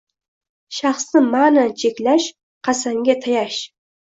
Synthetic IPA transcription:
ʃɑχsnɨmanat͡ʃʰekʲlaʃ | qʰɑsaŋɡʲat̪ʰɑjɑʃ

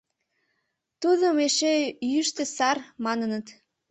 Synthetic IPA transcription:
t̪uðəmeʃejyʃt̪ĕsɑrmɑnənət̪

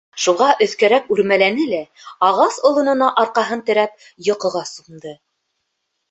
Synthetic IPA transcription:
ʃuʁɑʔɵ̆θkæɾækʉɾmælænɘlæ | ɑʁɑsŏlˠŏnɤ̆nɑʔɑɾqɑɦɤnt̪ɘ̆ɾæp̚ | jɤ̆qɤ̆ʁɑsund̪ɤ

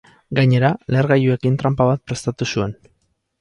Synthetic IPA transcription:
ɡaɲe̞ɾale̞ɾɣajue̞kint̪ɾampaβat̪̚pɾe̞st̪at̪usue̞n

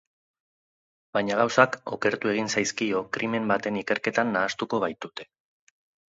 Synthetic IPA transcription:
bajɲaɣ̞awsako̞̰ke̞ɾt̪ue̞ɣ̞insajskio̞kɾʔime̞mbat̪e̞nike̞ɾke̞t̪anːaːst̪uko̞βajt̪ut̪e̞

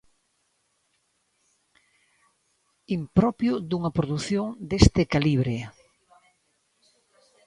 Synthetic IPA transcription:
impɾɔpjʊd̪uŋɐpɾoðuθjoŋd̪est̪ɪkaliβɾe

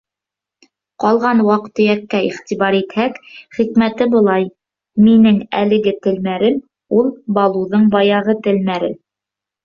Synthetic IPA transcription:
qɑlˠʁɑnwɑqt̪ɵ̆jækːæiχt̪iβɑɾit̪hækχikmæt̪ɘbɤ̆lˠɑj | minɘŋæ̰lɘ̆ɡɘt̪ɘ̆lmæɾɘm | ulˠbɑlˠuðɤɴbɑjɑʁɤt̪ɘ̆lmæɾɘ

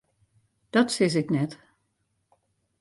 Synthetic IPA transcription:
d̥ɔtsɪs̬ɪknɛt

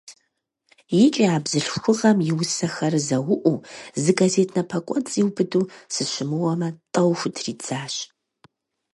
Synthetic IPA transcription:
jɪt͡ʃʼiaːbzɨɬxʷʊʁɐmjɪwʊsɐxɐrɨzɐwʊʔʷuzɨɡazetʰnɐpʰɐkʷʼɔnt͡sʼiwbɨduːsɨʃɪmɨwɐmɐtʼɐwxʷʊtʰriːt͡saːɕ

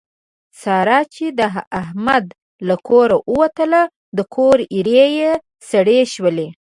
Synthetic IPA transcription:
sɑɾɑt͡ʃed̪əahmad̪ | lakʰoɾaʔəwat̪əla | d̪əkʰoɾiɾeje | saɽeʃwəle

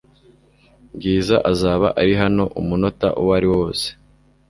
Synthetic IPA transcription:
ŋɡiːzaʔazaːβa̰ʔaɾiɦano̞ʔumuno̞ta̰ʔuwaɾiwo̞ːse̥

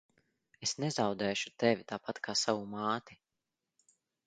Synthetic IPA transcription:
esnɛzawd̪ɛːʃu̥t̪evʲit̪aːpat̪kʰaːsavumaːt̪i

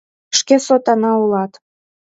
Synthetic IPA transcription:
ʃkesot̪ɑnɑulɑt̪

